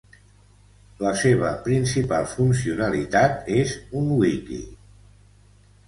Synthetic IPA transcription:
ləseβ̞əpɾinsipalˠfunsiunəlit̪at̪ezuŋwikḭ

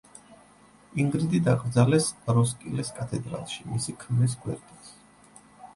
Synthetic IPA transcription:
iŋɡɾid̪id̪aɡɾd̪zalɛsɾɔskʼilɛskʼat̪ʰɛd̪ɾa̰lˠʃimisikʰmlis̬ɡwɛ̰ɾt̪ʼis

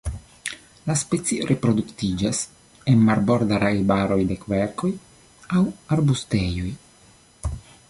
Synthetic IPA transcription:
laspet͡siɾʔepɾo̞d̪uktid͡ʒas | enmaɾbo̞ɾd̪aɾajbaɾo̞jde̞kveɾko̞j | awaɾbustejo̞j

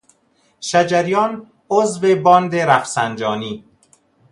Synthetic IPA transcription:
ʃæd͡ʒæɾjɒːn | ozvebɒːnd̪eɾæfsænd͡ʒɒːniː

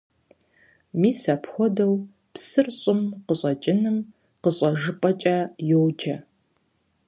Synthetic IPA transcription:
miːsɐpxʷɔdɐw | psɨrɕʼɪmqəɕʷʼɐt͡ʃʼɪnɨm | qəɕʼɐʒɨpʼɐt͡ʃʼɐjowd͡ʒɐ

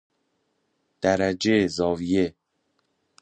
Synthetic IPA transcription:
d̪̥æɾæd͡ʒezɒːvije

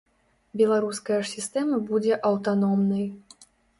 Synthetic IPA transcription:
bʲɛlˠaɾuskɐjɐʂsʲist̪ɛmɐbud͡zʲɛʔɐwt̪anɔmnɐj

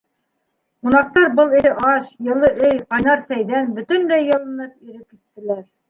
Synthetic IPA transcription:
qunɑq̚t̪ɑɾbɤlˠiɘʔɑɕjɤ̆lˠːɤʔɵjqɑjnɑɾsæjðænbɵ̆t̪ɵ̆nd̪æjːɤ̆lˠɤ̆nɤp̚iɾɘp̚kit̪ːɘ̆læɾ

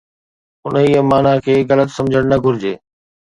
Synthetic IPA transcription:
ʊniəmaːnakʰeːɣɐlət̪sɐ̃md͡ʑʱəɽ̃nɐɡʱʊɾɪd͡ʑeː

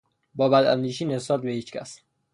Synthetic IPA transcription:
bɒːbæd̪æ̰nd̪iːʃiːnesɒːt̪̚behiːt͡ʃcʲʰæ̰s

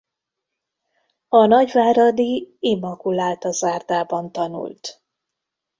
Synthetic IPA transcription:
ɒnɒɟvaːɾɒd̪iimːɒkulaːlt̪ɒzaːrd̪aːbɒnt̪ɒnṵlt̪

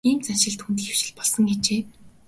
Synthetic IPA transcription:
iːnt͡sanʃɪ̆ɮt̪xunt̪̬ĭxe̥wʃɪ̆ɮpɔɮsɞ̆ŋɡet͡ɕeː

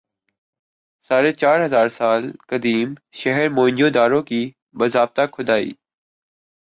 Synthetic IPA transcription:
saːɾeːt͡ʃaːɾɦəzaːɾsaːlkəd̪iːmʃəɦəɾmoːɪ̃nd͡ʒjoːd̪aːɾoːkiː | bəzaːb̚t̪aːkʰʊd̪aːḭː

